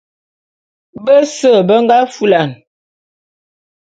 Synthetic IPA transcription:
bə˦sə˦˨bə˦ŋɡa˦fu˦la˨n

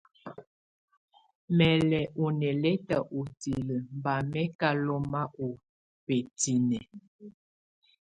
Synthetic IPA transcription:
mɛ˨lɛ˨ʔo˨nɛ˨lɛ˦ta˨ʔo˨ti˨lə˨mba˨mɛ˦ka˦lɔ˦ma˦ʔo˨ | pe˨ti˨nɛ˨

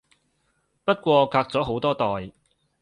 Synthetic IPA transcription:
pɐ˥t̚kʷɔː˧kʰaː˧k̚t͡sɔː˨˥ɦo˨˥wt̪ɔː˥t̪ɔː˨j

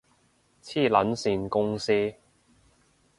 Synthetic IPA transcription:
t͡sʰiː˥˩lɐ˨˥nsiː˧nkʊ˥ŋsiː˥

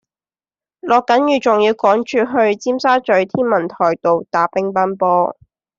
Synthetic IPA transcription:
lɔː˨kːɐ˨˥njyː˨˩t͡sʊ˨˩ŋjiː˧wkɔː˨˥ŋt͡ʃʰyː˧ɦɵ˧ɥt͡siː˥msaː˥t͡ʃɵ˨˥ɥt̪ʰiː˥nmɐ˨˩nt̪ʰɔː˨˩jt̪o˨wt̪aː˨˥pɪ˥ŋpɐ˥npɔː˥

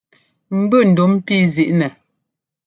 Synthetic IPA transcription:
m̩˦bʉ˦˨n̩˨do˦m̩˦pi˦zi˨ʔnɛ˨

